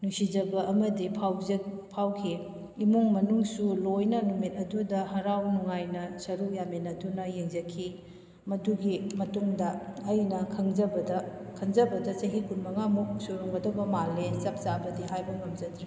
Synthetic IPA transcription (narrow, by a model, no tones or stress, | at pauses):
nusid͡ʒɐbɐʔɐmɐdipʰawzpʰawkʰi | imuŋmɐnuŋsulojnɐnumit̚ɐdudɐhɐɾawnuŋajnɐsɐɾujamenɐdunɐjeŋzɐkʰi | mɐduɡimɐtuŋdɐːjnɐkʰɐŋzɐbɐdɐkʰɐŋzɐbɐdɐsɐɦikunmɐŋamuk̚suɾuŋɡɐdobɐmalːesɐp̚t͡ʃabɐdiɦajbɐmɐmzɐdɾi